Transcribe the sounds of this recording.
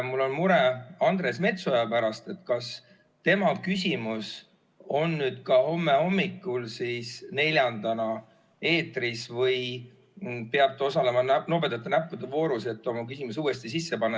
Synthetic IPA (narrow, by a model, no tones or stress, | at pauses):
mulːo̞nmuɾeɑnd̪re̞sme̞t̪sojɑpæɾɑst̪e̞t̪kɑs | t̪e̞mɑkysʲimus | o̞nːyːd̪̥kɑho̞mːe̞ho̞mːikːˑulsiːsne̞lʲjɑnd̪ɑnɑ | e̞ːt̪risvɤj | peɑt̪eo̞sɑle̞mɑnno̞pet̪ːˑɑt̪ːˑenæpːud̪evo̞ːɾuse̞t̪ːˑo̞mɑkysimusuːest̪isisːepɑnːɑ